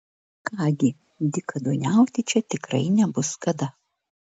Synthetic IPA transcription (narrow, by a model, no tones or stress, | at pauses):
kɑːɡʲɪ | d̪ʲɪkɐd̪oːnʲæˑʊt̪ʲɪt͡ʃʲɛt̪ʲɪkɾɐɪnʲɛbʊskɐd̪ɐ